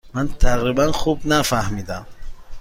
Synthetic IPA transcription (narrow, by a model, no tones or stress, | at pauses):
mant̪ʰaqɾibanχubnafahmid̪am